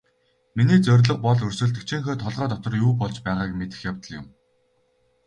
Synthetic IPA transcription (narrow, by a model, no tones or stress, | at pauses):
miniːt͡sœɾʲɮə̆q̚pɔɮɵrsɵ̆ɮt̪ɘ̆k̚t͡ɕʰiŋxoːt̪ʰɔɮʁœːt̪ɔt̪ɞ̆rjuːpɔɮt͡ɕpæːʁaːkmet̪ɘ̆xjawt̪ə̆ɮjʊ̰̆m